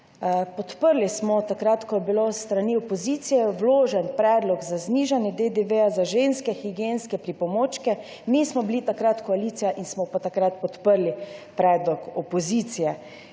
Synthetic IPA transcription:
pɔt̪pəɾlismɔt̪akɾat̪kɔjɛbilost̪ɾaniɔpɔzit̪sijɛwloːʒɛnpɾɛːd̪lɔɡzazniːʒanjɛd̪ed̪eʋejazaʒenskɛxiɡjenskɛpɾipɔmoːt͡ʃkɛ | mismɔbilit̪akɾat̪kɔaliːt̪sijaʔinsmɔpat̪akɾat̪̚pɔt̪pəɾlipɾɛːd̪lɔkɔpɔzit̪sijɛ

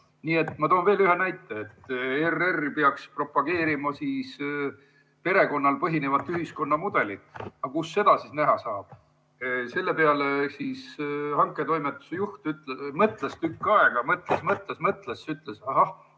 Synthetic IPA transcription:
niːe̞t̪ːˑmɑt̪oːnve̞ːlyhe̞næjt̪ːˑeːt̪ːererpeɑkspro̞pːˑɑɡ̥e̞ːɾimɑsiːs | pe̞ɾe̞ko̞nːɑlpɤɦine̞vɑt̪ːyɦisko̞nːɑmud̪̥e̞lit̪ɑkusːe̞d̪̥ɑsisnæɦɑsɑːb̥̚ | se̞lːepeɑlesiːshɑŋkːˑet̪o̞jmet̪ːˑu̥sejuht̪yt̪ˑlemɤt̪ˑlest̪ykːɑeɡ̥ɑmɤt̪ˑlesmɤt̪ˑlesmɤt̪ˑlesːyt̪ˑlesɑɦɑh

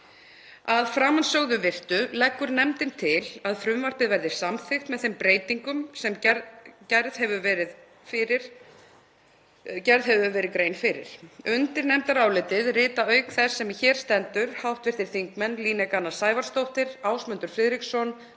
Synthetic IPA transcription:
aðfɾaːmansœɣðʏvɪr̥t̪ʏlɛkːʏɾnɛmt̪ɪnt̪ʰɪlaðfɾʏmvar̥pɪðvɛɾðɪ̥samθɪxt̪mɛðθejmpɾeːjt̪iŋkʏmsɛmcɛɾð̥hɛvʏvɛɾɪð | fɪɾɪɾ̥ | cɛɾðɦɛvʏvɛːɾɪðkɾejnfɪɾɪ̰ɾ̥ʏnt̪ɪɾnɛmt̪aɾaːwlɪːt̪ɪðrɪːt̪aœːɥkθɛsːɛmçɛːɾ̥st̪ɛnt̪ʏɾ̥hawht̪vɪr̥t̪ɪɾ̥θiŋkmɛnliːnɛkanḁsaːjvaɾ̥st̪owht̪ɪɾaːwsmʏnt̪ʏɾ̥fɾɪðɾiksɔn

